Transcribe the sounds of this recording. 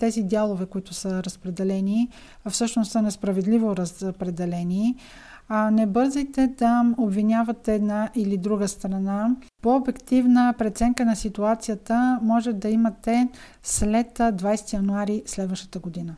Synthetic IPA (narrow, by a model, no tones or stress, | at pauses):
t̪ɛzid̪ʲjalˠovɛkoit̪ʊsəɾəspɾɛd̪ɛlɛni | fsɤʃnossənɛspɾɐvɛd̪livoɾəspɾɛd̪ɛlɛni | anɛbɤɾzijt̪ɛd̪ɐobvinʲjavɐt̪ɛːd̪naʔilid̪ɾuɡəst̪ɾɐnapoobɛkt̪ivnəpɾɛt̪sɛŋkənɐsit̪uat̪sijət̪əmɔʒɛd̪ɐimɐt̪ɛ | slɛt̪d̪vajsɛ̥t̪ijɐnuaɾislɛd̪vəʃt̪ə̥t̪əɡod̪inə